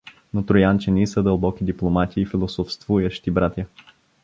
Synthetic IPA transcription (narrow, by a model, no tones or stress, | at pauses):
not̪ɾojant͡ʃɛnisəd̪əlˠbɔkʲid̪iplˠomat̪ʲiːfilˠosofst̪vujəʃt̪ibɾat̪ʲjə